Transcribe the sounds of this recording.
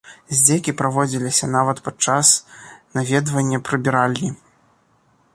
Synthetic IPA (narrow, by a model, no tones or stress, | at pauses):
zʲd͡zʲɛkʲipɾavɔd͡zʲilʲisʲɐnavɐt̪pat͡ʂasnavʲɛd̪vɐnʲːɐpɾɨbʲiɾalʲnʲi